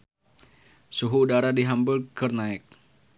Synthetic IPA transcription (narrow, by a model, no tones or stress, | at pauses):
suɦuːdaɾadiɦambʊlkərnaɪk̚